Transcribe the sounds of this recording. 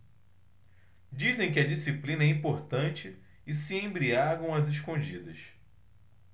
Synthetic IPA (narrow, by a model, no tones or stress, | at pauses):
d͡ʒizẽj̃kɪɐd͡ʒisiplĩnɐɛĩpoɾt̪ɐ̃t͡ʃɪː | siẽbɾiaɡɐ̃w̃ɐzeʃkõd͡ʒid̪ɐʃ